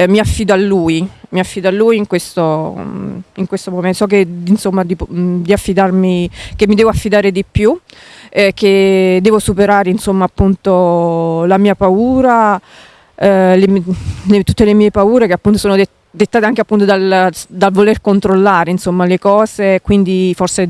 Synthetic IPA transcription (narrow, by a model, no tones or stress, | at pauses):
miafːiːd̪oalːuːjmiafːiːd̪oalːuːjiŋkwest̪o | iŋkwest̪omomesɔk̬ːeinsomːad̪ipd̪iafːid̪armik̟emːid̪ɛːvoafːid̪aːɾed̪ipːju | k̟ed̪ːɛːvosupeɾaːɾeinsomːaːpːunt̪olamiːapauːɾa | lemlet̪ut̪ːelemiːepauːɾekeapːunt̪osoːnod̪ | d̪et̪ːaːt̪eaŋk̟eapːunt̪od̪ald̪alvolerkont̪ɾolːaːɾeinsomːalekɔːzekwind̪iforse